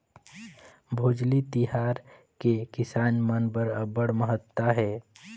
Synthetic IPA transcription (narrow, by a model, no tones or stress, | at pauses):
bʱoːd͡ʒlit̪iɦaːɾ | kekɪsaːnmənbəɾəbəɽməɦət̪ːaɦɛː